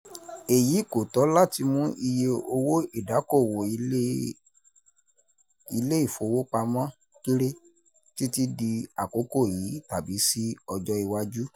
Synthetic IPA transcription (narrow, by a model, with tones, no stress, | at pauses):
e˨ji˨˦ko˨tɔ˨˦la˦ti˧mũ˦ʔi˧je˧o˧wo˦i˦˨da˨˦ko˦˨wo˨i˧˦ | i˧le˦i˦˨fo˨˧wo˦k͡pa˧mã˦ | ki˦ɾe˦ | ti˦ti˦di˧a˨ko˨˦ko˦˨ji˨˦ta˨bi˨˦si˦ɔ˧d͡ʒɔ˦i˧wa˦d͡ʒu˦